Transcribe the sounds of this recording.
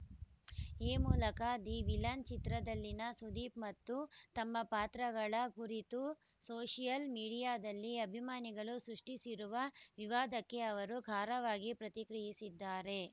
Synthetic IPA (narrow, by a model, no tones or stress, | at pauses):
eːmuːlɐkad̪iʋilɐnt͡ʃit̪ɾɐd̪ɐlːinɐsud̪iːpmɐt̪ːut̪ɐmːɐpaːt̪ɾɐɡɐɭɐkuɾit̪u | soːʂijɐlmiːɽijaːd̪ɐlːiɐbʱimaːniɡɐɭusɾuʂʈisiɾuʋɐʋiʋaːd̪ɐkːe̞ɐʋɐɾuɡʱaːɾɐʋaːɡipɾɐt̪ikɾijisid̪ːaːɾe̞